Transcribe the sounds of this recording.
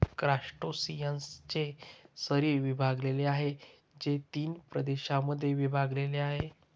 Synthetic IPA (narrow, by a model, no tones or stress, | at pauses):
kɾaʂʈosijənst͡ɕesəɾiːɾʋibʱaɡleleaɦe | d͡ʑet̪iːnpɾəd̪eɕaməd̪ʱːjeʋibʱaɡleleaɦe